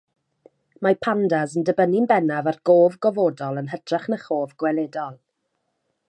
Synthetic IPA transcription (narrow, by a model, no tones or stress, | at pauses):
mapʰandazəndəbənɪnbɛnavarɡ̥oːvɡɔvoːdɔlˠənɦətʰrɛχnəχoːvɡ̥wɛlɛdɔlˠ